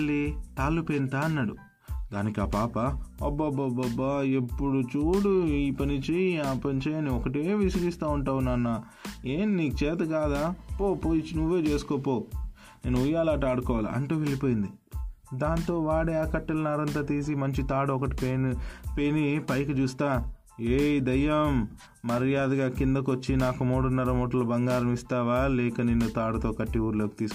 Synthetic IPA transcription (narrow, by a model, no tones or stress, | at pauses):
ɭːit̪aːlːupent̪aːnːɐɽu | d̪a̰ːnikiaːpaːpɐɐbɐbɐbɐbɐepːuɽut͡ʃuːɽuiːpɐnit͡ʃeaːpɐnt͡ʃeɐniɔkɐʈeːʋisɐɡist̪aːuɳʈaːwunanːaː | eːnniːkut͡ʃɛːt̪ɐkaːd̪aːpoːpoːjit͡ʃinuʋːeːt͡ʃe̞ːsu̥kɔːpoː | neːnuujaːlaːʈaːɽukɔːʋaːlḭɐ̰ɳʈuːʋelipoːjind̪i | d̪aːnt̪o̞ːʋaːɽeːaːkɐʈːilɐnaːɾɐnt̪̬aːt̪iːs̬imɐɲt͡ʃit̪aːɽuɔkɐʈi̥pepenipɐjkut͡ʃuːst̪aː | eːd̪ɐjɐmː | ɐɾjaːd̪ɐɡaːkind̪ɐk̬ʋɐt͡ʃːinaːkumuːɽunːɐɾɐmɔːʈ̬ɐlɐbɐŋɡaːɾɐmist̪aːʋaːlɛːkɐnenːut̪aːɽuɐt̪o̞ːkɐʈːiuːɾloːki̥t̪iːs